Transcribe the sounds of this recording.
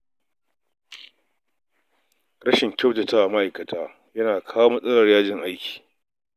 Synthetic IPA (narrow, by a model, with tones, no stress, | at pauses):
ɽɐ˦ʃɪ˨ŋkʲa˦˨wtɐ˨taː˦ʔa˨ma˦ʔa˨jkɐ˨tʰaː˦ | jɐ˦naː˨kʰaː˦woː˦mɐ˦sʼɐ˦lɐ˨rjaː˦d͡ʒɪ˨ŋʔa˦jkʲi̥ː˨